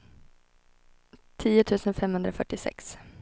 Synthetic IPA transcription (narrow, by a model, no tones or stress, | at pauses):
t̪ʰiːʊt̪ʰʉ̟ːsənfɛmhɵnd̪ɾafœʈːɪsɛ̰ks